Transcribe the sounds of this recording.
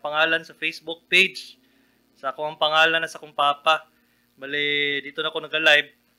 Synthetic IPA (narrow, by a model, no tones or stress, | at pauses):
pɐŋaːlɐnsɐfejsbʊk̚pejd͡ʒ | sɐɐkoɐŋpɐŋaːlɐnɐsɐkoŋpaːpa | baːlɪd̪iːt̪onɐko̞nɐɡɐlajb̚